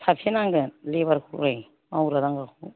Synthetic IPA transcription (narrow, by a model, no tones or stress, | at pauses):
sʰapʰenaŋɡɯlebaɾkʰuɾaj | mawɾadaŋɡakʰu